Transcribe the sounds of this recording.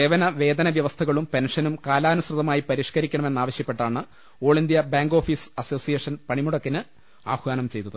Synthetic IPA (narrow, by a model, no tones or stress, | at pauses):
eːʋɐnɐʋe̞ːd̪ɐnɐʋjɐʋɐst̪ʰɐɣɐɭumpe̞nʂɐnumkaːlaːnusrɨðɐmaːjipɐɾiːʂkɐɾikʲːɐɳɐme̞nːaːʋɐɕjɐpːe̞ʈːaːɳɨ | o̞ːɭind̪jɐbaːŋɡo̞ːfisɐso̞ːsijeːʂɐnpɐɳimuɽɐkːinɨ | a̰ːbʱʋaːnɐmt͡ɕe̞jt̪ːɐðɨ